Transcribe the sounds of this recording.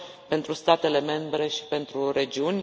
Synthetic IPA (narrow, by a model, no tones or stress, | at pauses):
pe̞nt̪ɾust̪at̪e̞le̞me̞mbɾe̞ʃi̥pe̞nt̪ɾuɾe̞d͡ʒiunʲ